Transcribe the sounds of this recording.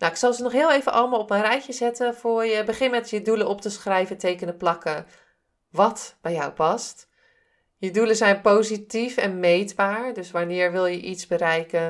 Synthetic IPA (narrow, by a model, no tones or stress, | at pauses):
nawɪksɑlˠzənɔχɦɪːlˠejvənʔɑlˠəmaːlˠɔpmɛjrɛjcəzɛtəfʊːɹjəbəχɪnmɛtjədulənɔptəsχrɛjvətejkənəplɑkə | ʋɑtb̥ɛjɔwpɑst | jəduləzɛjnpowzitifɛnmejdbaːɹdɵsʋanɪːɹʋɪlˠjəʔitzbəɾɛjkə